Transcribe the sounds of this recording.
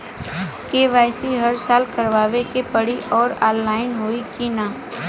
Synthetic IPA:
keːʋaːɪsiɦɐɾsaːlkɐɾʋaːʋekepəɽiʔɔːɾa̰ːlːaːɪnɦoːikinaː

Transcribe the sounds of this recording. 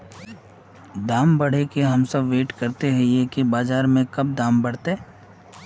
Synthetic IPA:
d̪aːmbɐɽ̤ekeɦɐmsɐbʋeːʈkɐɾt̪eɦɛ̃jekibaːzaːɾmẽkɐb̚d̪aːmbɐɽ̤t̪eː

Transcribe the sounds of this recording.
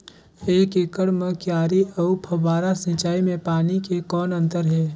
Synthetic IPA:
eːkekəɽmə̃kjaːɾiʔɔːpʰɐbaːɾasĩt͡ʃaːimẽpaːnikekɔːnə̃nt̪əɾɦɛː

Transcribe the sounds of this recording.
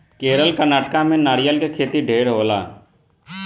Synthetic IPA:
keːɾəlkəɾnaːʈkãmẽːnaːɾɪjəlkekʰeːt̪iɖʱeːɾɦoːla̰ː

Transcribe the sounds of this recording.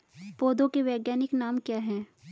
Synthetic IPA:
poːd̪õkeʋɛːɡjaːnɪknaːmkjaːɦɛ̃ː

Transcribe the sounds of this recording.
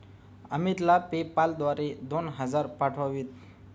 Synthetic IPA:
əmit̪lapepald̪ʋaɾed̪onɦəd͡zaɾpaʈʰoʋit̪

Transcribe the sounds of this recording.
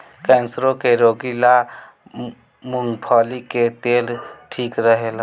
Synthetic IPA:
kɛ̃nsɾõkeɾoːɡila | mʊŋɡpʰɔːliket̪eːlʈʰiːkɾəɦel

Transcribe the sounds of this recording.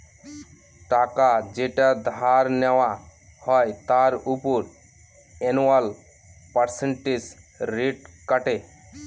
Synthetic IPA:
ʈakad͡ʒeʈad̪ʱaɾnɛwa | hɔjt̪aɾupuɾ | enwal | pəɾseɳʈed͡ʒ | ɾeʈkəʈe

